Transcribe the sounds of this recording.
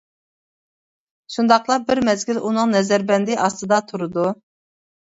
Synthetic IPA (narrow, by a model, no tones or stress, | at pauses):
ʃund̪ɑqlˠɑbɪɾmɛzɡʲilunɨŋnɛzæɾbɛnd̪ɪʔɑst̪ɨd̪ɑt̪ʰuɾɨd̪u